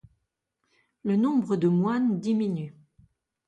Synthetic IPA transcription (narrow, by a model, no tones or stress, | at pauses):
lənɔ̃bʁəd̪əmwand̪iminy